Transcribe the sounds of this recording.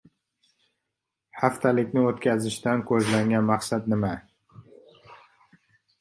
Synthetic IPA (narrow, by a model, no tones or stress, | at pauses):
haft̪ʰalɪkʲnɪot̪kʲʰazɪʃt̪ankʲʰɵzlaŋɡʲanmaqsat̪nɪma